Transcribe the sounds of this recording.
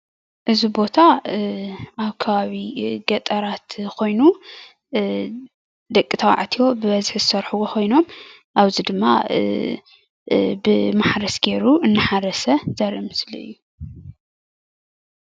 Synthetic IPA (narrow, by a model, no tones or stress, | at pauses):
ʔɨzibo̞t̪ʰa | ʔaβkʰɐβaβiɡɐt̪ʼɐɾat̪kʰo̞jnu | d̪ɐkʼːit̪ʰawa̰ʕt̪ʰijo̞bɨβɐzħzɨsɐɾħuwokʰo̞jnom | ʔaβzid̪ɨmːa̰ | bɨmaħɾɐsɡeɾuɨnːɨħaɾɐsɐzɐɾimɨsliʔɨ̰jːu